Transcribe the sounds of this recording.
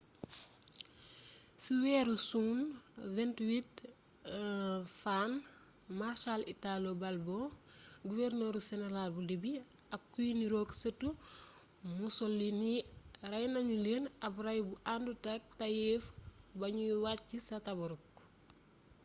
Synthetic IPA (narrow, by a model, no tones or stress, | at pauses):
siwɛːɾusunvɛntwit̚ | fan | maɾʃalitalobɐlboɡuvɛrnoːɾsɛnɛɾalbulibi | ɐkːujniɾoːksətu | musolːinirɐjnɐɲuleːnɐbɾɐjbuʔandutak̚tɐjɛfbɐɲuwat̚cːisɐtɐbɔɾuk̚